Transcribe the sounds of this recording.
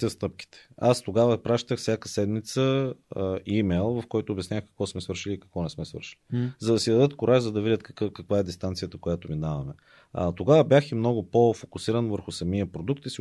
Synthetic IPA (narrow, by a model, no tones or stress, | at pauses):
əst̪ɤp̚kʲi̥t̪ɛ̥ast̪oɡavəpɾaʃt̪əxfsʲjakəsɛd̪mit̪sə | imɛjlˠvɐfkɔjt̪oːbʲjɛsnʲaxkɐ̥kvɔsmɛsvɤɾʃiliːkɐkvɔnɛsmɛsvə̰ɾʃi̥lizɐd̪ɐsid̪ɐd̪ɤt̪kʊɾʔaʒzɐd̪ɐvidʲət̪kkkɐkvaɛd̪ist̪ant̪sijət̪əkojat̪ominavɐmɛ | ə̰t̪oɡavəbjaximnɔɡʊpofokʊsiɾənvəɾxʊsɐmiəpɾod̪uk̚t̪isi